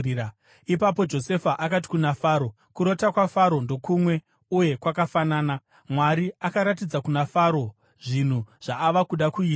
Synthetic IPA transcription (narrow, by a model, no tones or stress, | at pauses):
ipapo̞d͡ʒo̞se̞faʔakat̬i̥kunafaːɾo̞ | kuɾo̞takwafaɾo̞ndo̞kumwe̞ | uje̞kwakafanaːna | mwaɾiakaɾatid͡zakunafaɾo̞ | ʐin̤uʐ̥aːʋakuɗakuiːa